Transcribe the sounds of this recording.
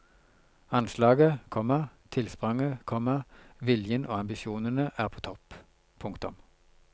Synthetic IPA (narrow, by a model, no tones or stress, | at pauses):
ɑnslɑːɡəkʰɔmːət̪ʰɪlspʁɑŋəkʰɔmːəʁʋɪljənʔo̰ːɑmbɪʃjuːnənəʔæːʁpʰoːt̪ʰɔp | pʰʊŋkt̪ʊm